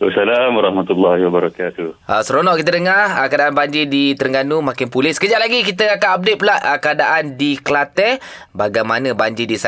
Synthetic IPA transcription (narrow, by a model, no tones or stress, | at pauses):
a̰salamwaɾahmat̪ulːahiwabaɾakat̪ua̰səɾonɔʔkit̪ədəŋarəkadaʔanbaɲd͡ʒidit̪əɾəŋɡanumakɪnpulɪskəd͡ʒaʔlaɡik̬it̪̬əakanab̚det̪̚pulaʔʔəkəadaʔandiklat̪ɛ | baɡajmanə̃baɲd͡ʒidisa